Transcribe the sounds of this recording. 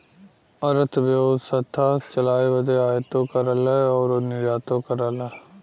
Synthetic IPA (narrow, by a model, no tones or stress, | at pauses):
əɾət̪ʰbjod̪sət̪ʰːaːt͡ʃəlaːeːʋəd̪eːaːjt̪oːkəɾəlɛɔːɾonɪɾaːt̪õːkəɾəlaː